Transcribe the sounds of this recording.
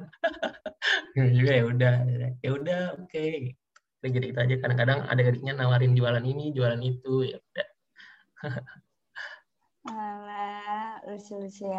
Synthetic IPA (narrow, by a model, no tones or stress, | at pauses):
ad͡ʒuɡajaudahdajaudahoke | kɾiɡiɾikit̪uad͡ʒakadaŋkadaŋa̰daɡadik̚ɲanawaɾɪnd͡ʒualaninid͡ʒualanit̪ujaudah | la | usiusia